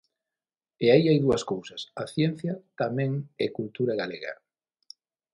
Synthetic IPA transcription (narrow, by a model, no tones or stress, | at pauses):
ɪaiajðuɐskowsɐsaθjɛn̟θjɐt̪amɛ̃ŋekult̪uɾaɣaleɣa̰